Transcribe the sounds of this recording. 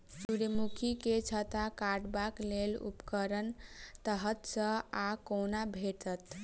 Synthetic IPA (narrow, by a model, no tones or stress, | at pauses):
suɾəmukʰiket͡ʃʰət̪akaʈbaklelṵpkəɾənt̪əɦət̪sə̃akonabʱeʈət̪